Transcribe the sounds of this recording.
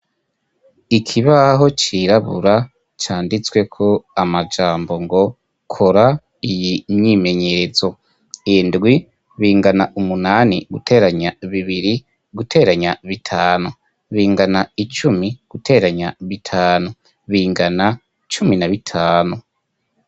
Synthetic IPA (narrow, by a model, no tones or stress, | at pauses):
ikʰiβaɦo̞t͡ʃiɾaβṵɾa | t͡ʃaːndit͡swe̞kʰo̞amad͡ʒaːmbo̞ŋɡo̞ | kʰoɾa | ijiɲime̞ɲezo̞ | indɡwi | βiːŋɡanaʔumunaːniɡutʰe̞ːɾaɲaβiβiɾi | ɡutʰe̞ːɾaɲaβitʰaːnu | βiːŋɡanait͡ʃumiɡ̥utʰe̞ːɾaɲaβitʰaːnu | βiːŋɡana | t͡ʃuminaβitʰaːnu